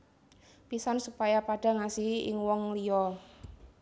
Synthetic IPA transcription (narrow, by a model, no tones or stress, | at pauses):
pisansupajapaɖ̥a̤ŋasiɦɪ̰ŋwɔŋlijɔ